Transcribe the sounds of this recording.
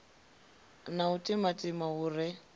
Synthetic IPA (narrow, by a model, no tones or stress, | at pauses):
nautʼɪmatʼɪmauːrɪ